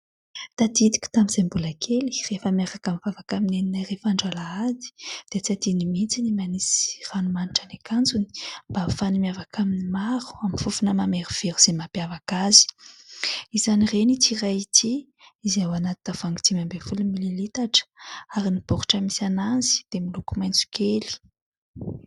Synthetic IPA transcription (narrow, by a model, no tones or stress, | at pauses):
t̪ad̪id̪i̥kʲi̥t̪aminz̥embulakʰeli̥refəmaɾakamivavakamineninarefaɳɖ͡ʐalaad̪i̥d̪̥eat͡siat̪inimint͡sinimanisi̥ranumaniʈ͡ʂənekand͡zuni̥mbafanimiavakʰaminimaɾu̥aminfufunəmameɾiv̥eɾuz̥emapiavakazi̥ | izanirenit̪irajit̪ʰi | izawanat̪inav̥aŋɡit̪imambevulumililit̪aʈ͡ʂə̥aɾinib̥ɔɾuʈ͡ʂəmisananzi̥d̪̥emilukumajnt͡su̥kʰeli̥